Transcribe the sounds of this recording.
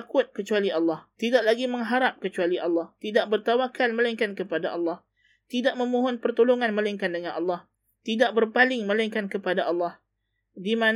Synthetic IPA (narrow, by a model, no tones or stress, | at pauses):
kʊt̪̚kət͡ʃualiʔɑlːɑht̪idaʔlaɡiməŋɦaɾap̚kət͡ʃualiʔɑlːɑht̪idaʔ̚bərt̪awakanməlaŋkankəpadaʔɑlːɑh | t̪idaʔməmuɦɔnpərt̪oloŋanməlaiŋkandəŋanʔɑlːɑh | t̪idaʔ̚bərpalɪŋmə̃laŋkankəpadaʔɑlːɑh | diman